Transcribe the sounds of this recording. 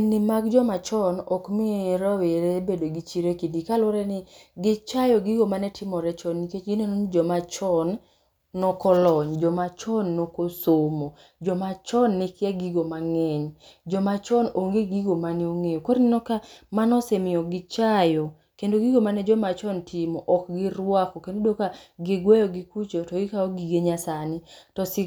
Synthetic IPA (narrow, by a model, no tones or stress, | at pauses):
nɪmakd͡ʒɔmat͡ʃɔnɔkmɪɾaweɾebedoɡit͡ʃiɾekindikaloɾɛnɪɡɪt͡ʃajɔɡiɡomanɛtʰɪmɔɾɛt͡ʃɔnːiket͡ʃɡinonond͡ʒɔmat͡ʃɔnː | ɔkɔlɔɲd͡ʒɔmat͡ʃɔnːokosomo | d͡ʒɔmat͡ʃɔnːikɪaɡiɡomaŋɛɲd͡ʒɔmat͡ʃɔnoŋɡeɡiɡomanioŋejokoɾnɪnɔkamanɔsemɪɔɡɪt͡ʃajɔ | kendoɡiɡomanɛd͡ʒɔmat͡ʃɔntʰɪmɔʔɔkɡɪɾwakɔkendodokaɡɪɡwɛjɔɡɪkut͡ʃotɔɡɪkaɔɡiɡeɲasanɪtɔsɪ